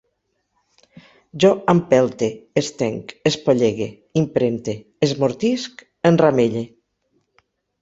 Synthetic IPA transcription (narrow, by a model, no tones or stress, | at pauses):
ʒɔampɛlˠt̪eest̪ɛŋkespoʎeɣe | impɾent̪eːzmoɾt̪isk | ənrameʎe